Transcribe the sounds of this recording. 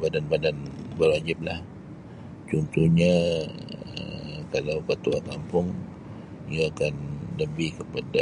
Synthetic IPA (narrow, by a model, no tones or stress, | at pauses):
badanbadanbərwad͡ʒɪp̚lah | t͡ʃɔnt̪uhɲa | ə̰kalawkət̪ua̰kampʊŋ | iaːkandəbikəpada